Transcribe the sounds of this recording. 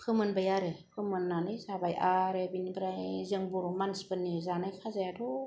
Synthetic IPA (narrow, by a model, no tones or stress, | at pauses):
kʰɯmɯnbajaɾɯpʰɯmɯnːanɯjzabajʔaɾebinibɾajziəŋbuɾmansbɯnːizanajkʰazajadɔ